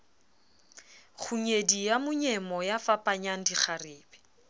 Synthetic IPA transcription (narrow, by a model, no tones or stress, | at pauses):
χʰuɲedijamʊɲɛmɔjafapʼaɲaŋ̩diχʰarɪːbɛ̥